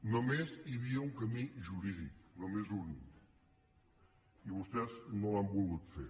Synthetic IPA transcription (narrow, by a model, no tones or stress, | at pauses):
nomeziβiəuŋkəmiʒuɾiðiknomezunḭ | iβust̪ɛznõambulˠɣut̪fḛ